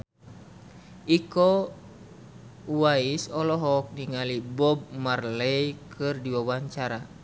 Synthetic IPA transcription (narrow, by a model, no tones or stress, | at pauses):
ʔikɔ | waisɔlɔɦɔk̚niŋalibɔb̚marlɛjkʰɨrdiwawaɲt͡ʃaɾa